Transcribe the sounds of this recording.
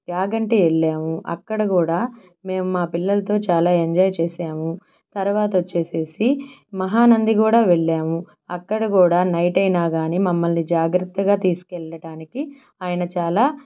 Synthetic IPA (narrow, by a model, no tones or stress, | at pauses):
ɡaːɡɐɳʈeeɭːaːmuʔɐ̰kːɐɽɐkuːɽaː | me̞ːmumaːpilːɐlɐt̪o̞ːt͡ʃaːlaːeɲd͡ʒɔːjt͡ʃeːsaːmu | t̪ɐɾʋaːt̪ɐot͡ʃːe̞ːse̞ːsimɐɦaːnɐnd̪ikuːɽaːʋeɭːaːmu | ɐkːɐɽɐkuːɽaːnɐjʈɐjnaːɡaːniːmɐmːɐlnid͡ʒaːɡɾɐt̪ːɐɡaːt̪iːsu̥kɛɭːɐɽaːniki | aːjɐnɐt͡ʃaːlaː